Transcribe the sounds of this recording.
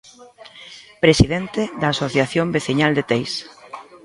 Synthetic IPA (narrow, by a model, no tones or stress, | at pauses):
pɾesiðɛnt̪eðaːsoθjaθjombeθiɲald̪et̪ejs